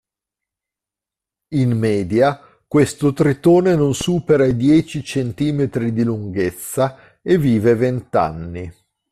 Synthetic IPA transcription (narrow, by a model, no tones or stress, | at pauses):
inmɛːd̪ja | kwest̪ot̪ɾit̪oːnenonsuːpeɾaid̪jɛːt͡ʃit͡ʃent̪iːmet̪ɾid̪iluŋɡet̪sːa | eviːvevent̪a̰nːi